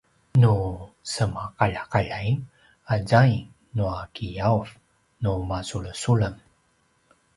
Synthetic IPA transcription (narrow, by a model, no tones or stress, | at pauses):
nu | səmaqaʎakaʎaj | azaj | nuakijauf | numasuɭəsuləm